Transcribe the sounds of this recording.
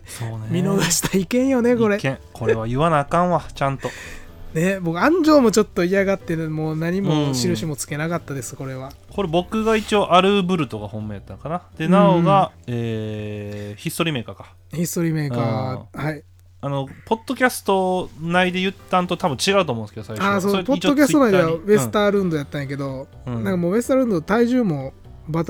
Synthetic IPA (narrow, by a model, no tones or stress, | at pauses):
soːnemʲino̞ɡaɕi̥t̪ʰaikẽ̞ɰ̃jo̞ne̞ko̞ɾe̞kẽkʰo̞ɾe̞β̞ajɯ̟βanakãɰ̃βat͡ɕãnt̪o̞ | ne̞bo̞kɯ̟ãɲ̟d͡ʑo̞ːmo̞t͡ɕo̞t̪ːo̞ijaɡat̪ːe̞moːnaɲ̟imoɕiɾɯ̟ɕimo̞t͡sɨ̥ke̞nakat̪ːad̪e̞sɨ̥ko̞ɾe̞βa | ko̞ɾe̞bo̞kɯ̟ɡait͡ɕio̞ʔaɾɯ̟bɯ̟ɾɯ̟t̪o̞ɡahõ̞mːeːat̪ːakanad̪̥e̞naoɡaeː | çisɨt̪oɾime̞ːkakḁ | çisɨ̥t̪oɾʲiːme̞ːkaːhai | ano̞po̞t̪ːo̞kʲasɨ̥t̪o̞naid̪e̞jɯ̟t̪ːãnt̪o̞t̪abɯ̟̃t͡ɕiɡaɯ̟t̪omõnsked̪osaikaːsopotːokʲasonaid̪ebe̞sɨ̥t̪aːɾɯ̟̃nd̪o̞jat̪ːãj̃ake̞d̪o̞ | nãŋkamoːbe̞sɨ̥t̪aɾɯ̟̃nd̪ot̪aiʑɨːmo̞ | bat̪